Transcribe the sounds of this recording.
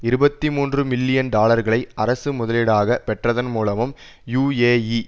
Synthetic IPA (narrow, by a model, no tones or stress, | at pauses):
ɪɾɯbɐt̪ːimuːndrɯmɪlːɪjɐnɖaːlɐɾɣɐɭɐɪʔɐɾɐsɯmʊðɐlɪɽaːɣɐpɛʈrɐðɐnmuːlɐmɯm | juːeːi